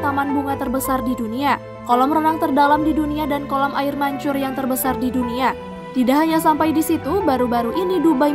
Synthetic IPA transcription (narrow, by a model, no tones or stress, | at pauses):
t̪amanbuŋat̪ərbəsardidunia | kolɔmrənaŋ̚t̪ərdalamdiduniadankolɔmʔaɪrmaɲt͡ʃʊrjaŋt̪ərbəsardidunia | t̪idaʔɦaɲasampajdisit̪ubaɾubaɾuʔinidubaj